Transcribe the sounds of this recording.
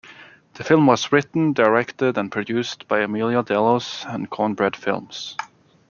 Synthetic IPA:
ðɨfɪlˠmwʌzɹɪʔn̩dəɹɛktɪɾə̃npʰɹ̥ɨdʉstb̥aɪɨmilˠjədɛlˠosə̃nkʰɔnbɹɛd̥fɪ̰lˠmz̥

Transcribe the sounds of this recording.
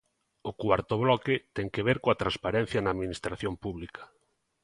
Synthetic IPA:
ʊkwaɾt̪oβlɔkɪt̪ɛŋkeβeɾkoat̪ɾãnspaɾɛ̃n̟θjɐnɐaːðminist̪ɾaθjompuβlikɐ̥

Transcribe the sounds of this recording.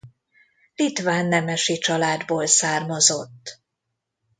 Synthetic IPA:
lit̪ʋaːnːɛmɛʃit͡ʃɒlaːd̪boːlsaːrmɒzo̞t̪ː

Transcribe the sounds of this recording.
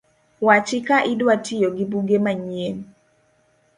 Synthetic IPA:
wat͡ʃɪkaʔɪdwatʰijoɡibuɡemaɲjen

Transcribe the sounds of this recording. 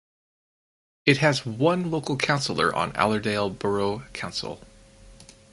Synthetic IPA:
ɨt̚ɦɨzwʌ̃nloʊkl̩ˠkʰãʊ̃nsl̩ˠə̰˞ʔə̰̃næ̰lˠə˞deɪlˠbə˞oʊkʰãʊ̃nsl̩ˠ

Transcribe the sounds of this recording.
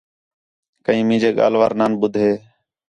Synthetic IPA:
kəĩːmĩːd͡ʒeːɠa̰ːlʋa̰ːɾnaːnɓʊd̪ʱɦeː

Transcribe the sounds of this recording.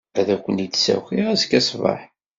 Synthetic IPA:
æðækʷːənid̪sæ̰xiʁæzkːæsvɑ̰ħ

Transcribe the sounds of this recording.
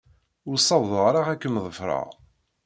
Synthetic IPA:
ʊɾsˤːɑvðˤəʁɾˤɑʁækːəmðˤəfɾˤɑ̰ʁ

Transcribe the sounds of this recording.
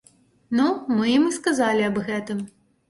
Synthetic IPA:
numɨjimɨskazalʲiɐbɣɛt̪ɨm

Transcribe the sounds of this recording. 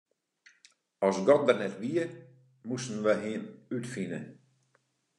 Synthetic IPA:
ɔsɡɔd̪ərnɛtʋiə | musn̩ʋəɦinytfinə

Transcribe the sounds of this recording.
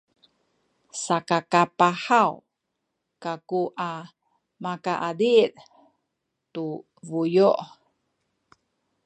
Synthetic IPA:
sakakapaħaw | kakuʔa | makaʔadiʔ | tu | vujoʔ

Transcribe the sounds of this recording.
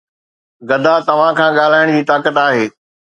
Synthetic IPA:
ɡɐd̪ʱãt̪ɐʋ̤ãkʰãːɠaːl̤aːɪɽ̃d͡ʑiːt̪aːkət̪aːɦeː

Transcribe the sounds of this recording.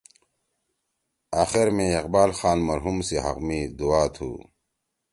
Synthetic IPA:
aːxiɾmẽːqbaːlxaːnmɐɾɦumsiɦɐ̰qmid̪uaːt̪ʰṵː

